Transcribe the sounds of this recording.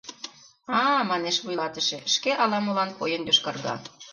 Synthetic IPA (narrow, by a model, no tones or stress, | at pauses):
ɑmɑneʃβujlɑt̪əʃĕʃkeʔɑlɑmə̆lɑnkojənj̪øʃkɑrɣɑ̰